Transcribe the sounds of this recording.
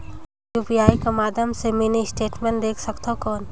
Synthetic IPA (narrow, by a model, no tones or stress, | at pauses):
juːpijaːikamaːd̪ʱəmseminisʈeːʈmẽɳʈd̪eːkʰsəkt̪akɔːn